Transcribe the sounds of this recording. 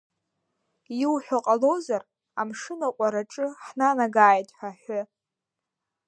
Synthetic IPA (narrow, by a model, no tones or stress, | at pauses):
iwħʷᶣaqʼalozar | amʂɨnakʷʼaɾaʈ͡ʂʼɨħnanaɡaːjtʼħʷᶣaħʷʊ